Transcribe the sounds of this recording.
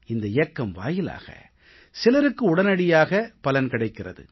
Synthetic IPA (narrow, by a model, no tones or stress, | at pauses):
ɪnd̪ɐɪjɐkːɐmʋa̰ːjɪla̰ːɣɐ̰ | sɪlɐɾɯkːɯʊɽɐnɐɽɪjaːɣɐpɐlɐnkɪɽɐɪkːɪrɐ̰ðɯ̰